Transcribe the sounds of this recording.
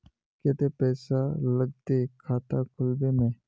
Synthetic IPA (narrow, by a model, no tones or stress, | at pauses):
kɛt̪epɛːsaləɡ̚t̪ekʰaːt̪akʰʊlbemẽ